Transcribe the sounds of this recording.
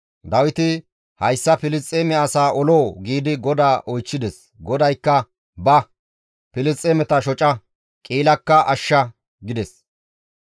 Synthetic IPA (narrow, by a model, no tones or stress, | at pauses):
d̪ɐwɪt̪ɪ | hɐjsːɐpɪlɪst͡sʼːeːmɛɐsaːʔɔloːɡiːd̪ɪɡɔd̪aːʔɔjt͡ʃːɪd̪ɛs | ɡɔd̪ɐjkːɐ | bɐ | pɪlɪst͡sʼːeːmɛt̪ɐʃɔt͡ʃʼɐ | kʼiːlɐkːɐʔɐʃːɐ | ɡɪd̪ɛs